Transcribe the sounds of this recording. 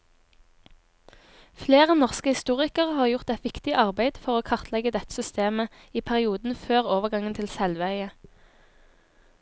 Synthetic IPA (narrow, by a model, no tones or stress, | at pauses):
fleːʁənɔʁskəhɪst̪uːʁɪkəʁəhɑːʁjʊʁt̪ɛt̪ʋɪkt̪ɪʔɑʁbæɪd̪fɔʁoːkʰɑʁt̪ʰlɛɡəd̪ɛt̪ə̥sʏst̪eːmə | iːpʰæʁɪuːd̪n̩føːʁoːʋəʁɡɑŋənt̪ʰɪlsɛlʋəœʏə